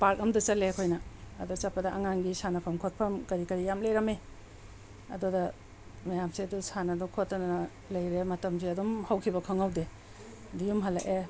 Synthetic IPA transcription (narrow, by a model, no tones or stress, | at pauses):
paɾkɐmdɐt͡ʃɐlekʰojnɐːdut͡ʃɐpːɐdɐʔaŋaŋɡisanɐpʰɐmkʰot̚pʰɐmkɐɾikɐɾijamlejɾɐme | ɐ̰dudɐ | mɐjamseɐdusanɐdukʰotːɐnnɐ | lɐjɾemɐtɐmsiɐdumhawkʰibɐkʰɐŋawde | dijumɦalːa̰ʔe